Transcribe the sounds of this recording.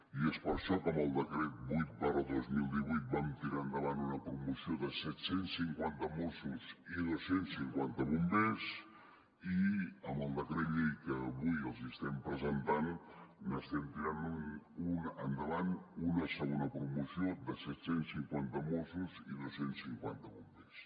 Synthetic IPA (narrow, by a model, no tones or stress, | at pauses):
iespəɾʃɔkəməlˠd̪əkɾɛt̪̚bujt̪̚barəðozmilˠd̪iβujt̪̚bamt̪iɾaənd̪əβanunəpɾumusioðəsɛt̪sensːiŋkwant̪əmosuziðosensiŋkwant̪əβumbez | iəmbəlˠd̪əkɾet̪ʎejkəβujəlˠzist̪ɛmpɾəzənt̪anːəst̪ɛmt̪iɾanununənd̪əβanunəsəɣonəpɾumusiod̪əsɛt̪sensiŋkwant̪əmosuziðosensːiŋkwant̪əβumbes